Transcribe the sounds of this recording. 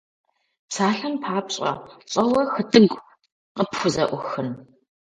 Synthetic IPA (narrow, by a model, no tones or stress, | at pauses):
psaːɬɐmpʰaːpɕʼɐ̰ɕʼɐwɐxɨtʼɨɡʷ | qəpxʷʊzɐʔʷʊxɨn